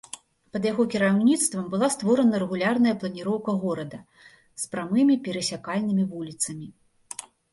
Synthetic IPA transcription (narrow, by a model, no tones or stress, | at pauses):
pɐd̪jaɣɔkʲiɾawnʲit̪st̪vɐmbɨlˠast̪vɔɾɐnɐɾɛɣulʲarnɐjɐplˠɐnʲiɾɔwkɐɣɔɾɐd̪ɐ | spɾamɨmʲipʲɛɾɐsʲakalʲnɨmʲivulʲit̪sɐmʲi